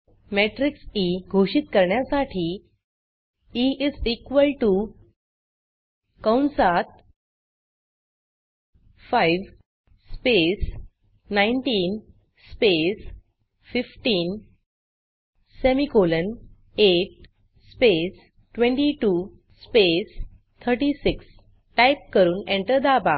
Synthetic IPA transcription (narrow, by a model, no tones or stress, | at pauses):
meʈɾiksiɡʱoɕit̪kəɾɳjasaʈʰiː | iizikʋəlʈu | kəwnsat̪̚ | fajʋ | spes | nãiɳʈiːn | spes | fifʈiːn | semikolən | eʈ̚ | spes | ʈʋẽɳʈiʈuː | spes | t̪ʰəɾʈisiks | ʈajp̚kəɾuːnẽɳʈəɾd̪aba